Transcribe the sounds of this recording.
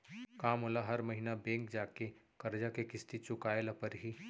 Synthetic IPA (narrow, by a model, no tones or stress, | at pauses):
kaːmolaɦɐɾmɐɦinabɛ̃ːŋkd͡ʒaːke | kɐɾd͡ʒakekɪst̪it͡ʃʊkaːelɐpəɾɦiː